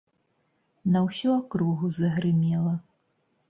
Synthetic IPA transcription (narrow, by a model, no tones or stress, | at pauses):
nɐwsʲɔakɾuɣuzɐɣɾɨmʲɛlˠɐ